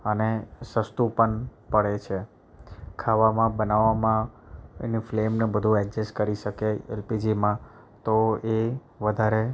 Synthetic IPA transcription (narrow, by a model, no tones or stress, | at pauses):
ənesəst̪upəɳpəɭet͡ʃʰe | kʰaʋamãbənaʋamãḛniflemnebəd̪ʱũɛd͡ʒeskəɾiʃəkeḛlpid͡ʒimã | t̪oe | ʋəd̪ʱaɾe